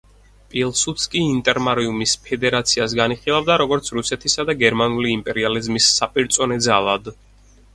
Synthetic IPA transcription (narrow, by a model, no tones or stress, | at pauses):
pʼilˠsut̪skʼiːnt̪ʼɛɾmaɾiumispʰɛd̪ɛɾat̪sʰias̬ɡaniχilˠavd̪aɾɔɡɔɾt̪sʰɾusɛt̪ʰisad̪aɡɛɾmanuliːmpʼɛɾializmisːapʼiɾt̪sʼɔnɛd̪zalˠad̪